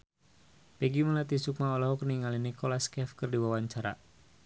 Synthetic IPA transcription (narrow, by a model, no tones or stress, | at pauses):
pɛɡiməlat̪isuk̚maolɔɦɔkəniŋalinikolaskɛfkɨrdiwawaɲt͡ʃaɾa̰